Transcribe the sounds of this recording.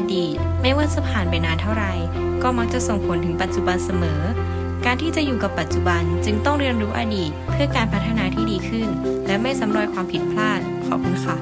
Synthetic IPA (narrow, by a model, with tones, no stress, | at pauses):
diː˨˩t̪̚maː˥˩jwaː˥˩sa˧pʰaː˨˩npa˧jnaː˧nt̪ʰa˥˩wɾa˧j | kɔː˥˩ma˦˥k̚t͡ɕa˨˩so˨˩ŋpʰo˨˦nt̪ʰɯ˨˩˦ŋpa˨˩t̪̚t͡ɕu˨ba˧nsa˧mɤː˩˦ | kaː˧nt̪ʰiː˥˩t͡ɕa˨˩juː˨˩ka˨˩pːa˨˩t̪̚t͡ɕu˨˩ba˧nt͡ɕɯ˧ŋt̪ɔ˥˩ŋɾi˧ənɾuː˦˥ʔaː˧diː˨˩t̪̚pʰɯ˥˩ɐkaː˧npʰa˦˥t̪ʰːa˧naː˧t̪ʰiː˥˩diː˧kʰɯ˥˩nlɛ˦˥ma˥˩jsa˩˦mɾo˧˩jkʰwaː˧mpʰi˨˩t̪̚pʰlaː˥˩t̪̚kʰɔ̰ː˨˩p̚kʰu˧nkʰa˦˥